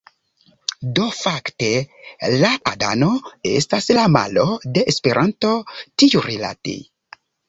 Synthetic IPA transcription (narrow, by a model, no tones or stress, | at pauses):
dofaktelaʔada̰no̞e̞̰staslama̰lo̞de̞ʔːspeɾʔanto̞tiuɾila̰tḭ